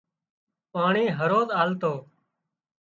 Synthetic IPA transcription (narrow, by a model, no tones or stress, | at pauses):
paːɳiːɦəɾoːzaːlt̪oː